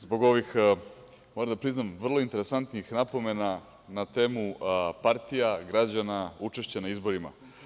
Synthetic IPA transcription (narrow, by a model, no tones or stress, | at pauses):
zbo̞ɡo̞ʋix | moɾamd̪apɾiznamʋr̩lˠo̞int̪e̞ɾe̞sant̪nixnapo̞me̞na | nat̪e̞ːmupaɾt̪ijaɡɾad͡ʑanaut͡ʃe̞ʃt͡ɕanaizbo̞ɾima̰